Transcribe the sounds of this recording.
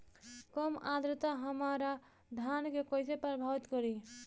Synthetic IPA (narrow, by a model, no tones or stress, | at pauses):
kɔmad̪ɾət̪aɦəmaɾa | d̪ʱjankekojsepɾəbʱaʋit̪kɔɾi